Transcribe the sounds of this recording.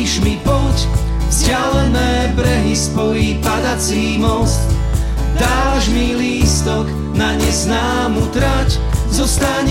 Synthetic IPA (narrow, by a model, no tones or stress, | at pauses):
ʒmipɔc | vz̥ɟɪalɛnɛːbɾɛɦispɔjiːpad̪at͡siːmɔst̪ | d̪aːʒmiliːst̪ɔk | naɲɛznaːmut̪ɾac | zɔst̪aɲ